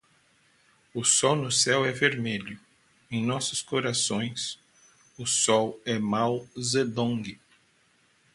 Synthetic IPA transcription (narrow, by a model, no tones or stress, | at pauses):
ʊsɔwnʊsɛwɛveɾmeʎʊ | ẽj̃nɔsʊskoɾasõj̃s | ʊsɔwɛmawzed̪õŋɡɪ